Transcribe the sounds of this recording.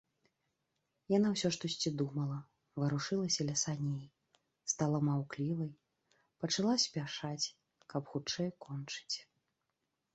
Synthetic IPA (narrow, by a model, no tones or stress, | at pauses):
janawsʲɔʂt̪ɔsʲt͡sʲid̪umɐlˠɐ | vɐɾuʂɨlˠɐsʲɐlʲɐsanʲej | st̪alˠɐmawklʲivɐj | pɐt͡ʂalˠasʲpʲaʂat͡sʲ | kɐpxut͡ʂɛjkɔnt͡ʂɨ̥t͡sʲ